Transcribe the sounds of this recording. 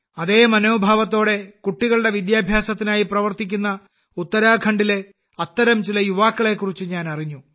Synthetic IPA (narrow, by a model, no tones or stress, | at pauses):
ɐðe̞ːmɐno̞ːbʱaːʋɐt̪̬ːo̞ːɽe̞kuʈːiɣɐɭuɽe̞ʋid̪jaːbʱjaːsɐt̪ːinaːjiprɐʋɐrt̪ikʲːunːɐ | ut̪ːɐɾaːkʰɐɳɖile̞ | ɐt̪ːɐɾɐmt͡ɕilɐjuʋaːkːɐɭe̞kːurit͡ɕːɨɲaːnɐriɲːu